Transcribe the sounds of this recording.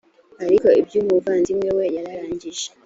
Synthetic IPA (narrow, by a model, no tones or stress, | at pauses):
aɾiko̞ibjuːmuvaːnzimwewejaɾaɾaːɲɟiʒe